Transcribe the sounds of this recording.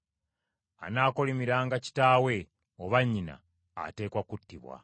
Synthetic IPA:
a̰naːkolimiɾaːŋɡaci̥taːwe̞ | oβaɲːina̰ː | te̞ːkwakutːiβwa̰

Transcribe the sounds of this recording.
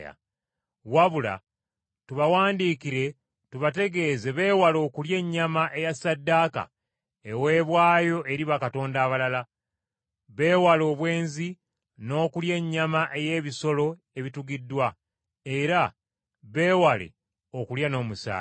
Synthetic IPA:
ja̰ | waβula̰ | tuβawaːndiːkiɾe̞ | tuβate̞ɡe̞ːze̞βe̞ːwalo̞ːkulje̞ɲːamaʔe̞jasadːaːka̰ | ewe̞ːβwaːjo̞ʔe̞ɾiβakato̞ːndaːβalala | βe̞ːwalo̞ːβwe̞ːnzi | no̞ːkulje̞ɲːamaʔe̞je̞ːβiso̞lo̞ | e̞βituɡidːwa | e̞ɾa | βe̞ːwalḛ | o̞kuljano̞ːmusa̰ː

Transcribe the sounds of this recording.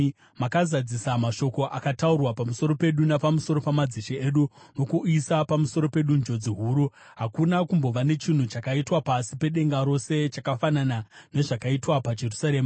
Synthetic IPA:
makazad͡zisamaʃo̞ko̞ʔakataurwapamuso̞ɾo̞pe̞ɗunapamuso̞ɾo̞pamad͡ziʃieɗuno̞kuisapamuso̞ɾo̞pe̞ɗund͡ʒo̞d͡ziɦuːɾu | ɦakunakumbo̞ʋanet͡ʃin̤ut͡ʃakaitwapasipe̞ɗe̞ŋɡaɾo̞se̞t͡ʃakafananane̞ʐakaitwapad͡ʒe̞rusaɾe̞ːma

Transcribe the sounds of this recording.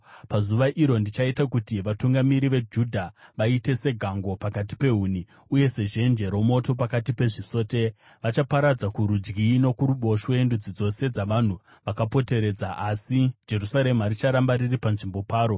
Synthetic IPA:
pazuʋaʔiɾo̞ndit͡ʃaitakutiʋatuŋɡamiɾiʋe̞d͡ʒudʱaʋaite̞se̞ɡʱaŋɡo̞pakati̥pe̞ɦuni | uje̞se̞ʒe̞nd͡ʒe̞ɾo̞mo̞to̞pakatipe̞ʐiso̞ːte̞ | ʋat͡ʃapaɾad͡zakuɾud͡ʒɡiːno̞kuɾuɓo̞ʃwendud͡zid͡zo̞se̞d͡zaʋan̤u | ʋakapo̞te̞ɾe̞ːd͡zaʔasid͡ʒe̞rusaɾe̞maɾit͡ʃaɾambaɾiripanʐimbo̞paːɾo̞

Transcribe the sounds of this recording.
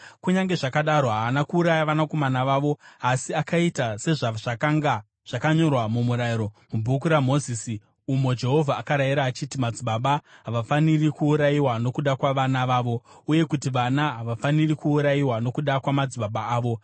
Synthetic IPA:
kuɲaŋɡe̞ʐakaɗaɾo̞ɦaʋanakuːɾajaʋanako̞manaʋaːʋo̞asiakaitase̞ʐaʐ̥akaŋɡa | ʐ̥akaɲo̞rwamumuɾaiɾo̞mubʱukuɾamo̞ziːsi | umo̞d͡ʒe̞ɦo̞vʱaːkaɾaiɾaːt͡ʃitimad͡ziɓaɓaɦaʋafanirikuːɾajiwano̞kuɗakwaʋanaʋaːʋo̞uje̞kutiʋanaɦaʋafanirikuːɾaiwano̞kuɗakwamad͡ziɓaɓaaːʋo̞

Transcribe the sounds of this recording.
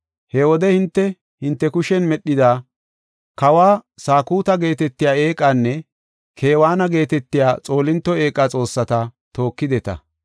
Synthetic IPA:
hɛwɔd̪ɛhɪnt̪ːɛ | hɪnt̪ːɛkʊʃɛnmɛɗːɪd̪aː | kɐwaːsaːkuːt̪ɐɡe̞ːt̪ɛt̪ːɪjaːe̞ːkʼaːnːɛ | kʰe̞ːwaːnɐɡe̞ːt̪ɛt̪ːɪjaːt͡sʼo̞ːlɪnt̪ːɔe̞ːkʼːat͡sʼo̞ːsːɐt̪ɐt̪o̞ːkːɪd̪ɛt̪ɐ̰

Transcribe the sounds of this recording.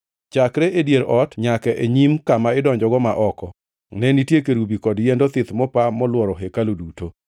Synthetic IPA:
t͡ʃakɾeʔedjeɾɔtɲakɛʔeɲimkamaɪdɔɲd͡ʒɔɡɔmaʔɔkɔ | nɛnitjekeɾubikɔdjendot̪ɪt̪mɔpamɔlwɔɾɔɦekaloduto

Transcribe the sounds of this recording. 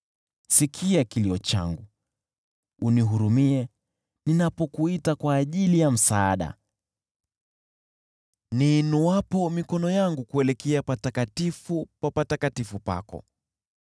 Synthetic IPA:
sikʰiakiliɔt͡ʃa̰ŋɡu | uniɦuɾumiɛ | ninapɔkuitakwaːʄilijam̩saːɗa̰ | ninuwapɔmikɔnɔjaŋɡukuɛlɛkɛapatakatifupapatakatifupa̰kɔ̰

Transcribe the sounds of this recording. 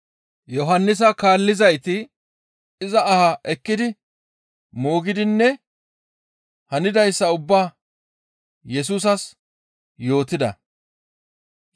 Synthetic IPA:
jɔɦɐnːɪs̬ɐkaːlːɪzɐjt̪ɪ | ɪzɐɐhaʔɛkːɪd̪ɪ | moːɡɪd̪ɪnːɛ | hɐnɪd̪ɐjsːɐʊbːaː | jɛs̬uːs̬ɐs | jo̞ːt̪ɪd̪ɐ̰

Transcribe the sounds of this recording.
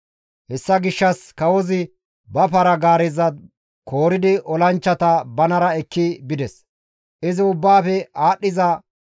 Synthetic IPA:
hɛsːɐɡɪʃːɐskɐwɔzɪ | bɐpɐɾɐɡaːɾɛzɐd̪ | kʰo̞ːɾɪd̪ɪʔɔlɐnt͡ʃːɐt̪ɐbɐnɐɾɐɛkːɪbɪd̪ɛs | ʔɪzɪʊbːaːfɛaːɗːɪzɐ

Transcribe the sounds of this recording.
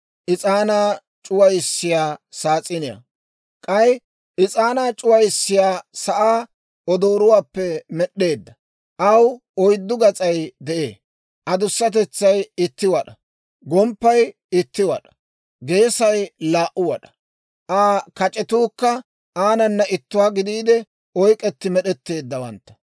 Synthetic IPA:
ʔɪt͡sʼaːnaː | t͡ʃʼʊwɐjɪsːɪjaːsaːt͡sʼɪnɪjɐ̰ | kʼɐj | ɪt͡sʼaːnaːt͡ʃʼʊwɐjsːɪjaːsɐʔaː | ɔd̪oːɾʊwaːpːɛmɛɗːe̞ːd̪ːɐ | ʔɐw | ɔjd̪ːʊɡɐt͡sʼɐjd̪ɛʔḛː | ʔɐd̪ʊsːɐt̪̬ɛt͡sːɐjɪt̪ːɪwɐɗɐ | ɡɔmpːɐj | ɪt̪ːɪwɐ̰ɗɐ̥ | ɡe̞ːsɐjlaːʔʊwɐ̰ɗɐ̥ | ʔaːkɐt͡ʃʼɛt̪uːkːɐ | aːnɐnːɐʔɪt̪ːʊwaːɡɪd̪iːd̪ɛ | ɔjkʼɛt̪ːɪmɛɗɛt̪ːe̞ːd̪ːɐwɐ̰nt̪ːɐ̥

